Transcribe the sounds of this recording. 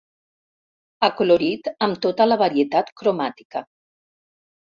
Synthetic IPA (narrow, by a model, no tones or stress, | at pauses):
akoloɾit̪əmt̪ot̪ələβaɾiet̪at̪kɾomat̪i̥kə